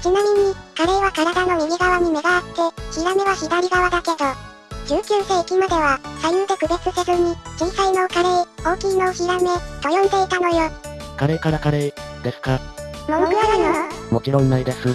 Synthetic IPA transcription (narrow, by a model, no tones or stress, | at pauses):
t͡ɕinamʲiɲ̟ikaɾe̞ːβakaɾad̪ano̞mʲiɡʲiɡaβaɲ̟ime̞ɡaat̪ːe̞çiɾame̞βaçid̪aɾʲiɡaβad̪ake̞d̪o̞ | d͡ʑɨːkʲɨːse̞ːkʲimad̪e̞β̞asajɯːd̪e̞kɯ̟be̞t͡sɨsezɨɲ̟id͡ʑĩɰsaino̞kaɾe̞ːo̞ːkʲiːno̞ɯ̟çʲiɾame̞ɡ̪̥ojõnd̪e̞it̪ano̞joːkaɾeːkaɾakaɾeːd̪̥e̞sɨ̥ka | mookiaɾano | mokʲiɾõnːaid̪esɨ